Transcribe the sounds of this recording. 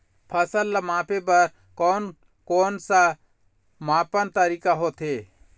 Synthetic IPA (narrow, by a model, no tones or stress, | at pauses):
pʰəsəlːamãːpebəɾ | kɔːn | koːnsa | maːpənt̪əɾiːkaɦoːt̪ʰeː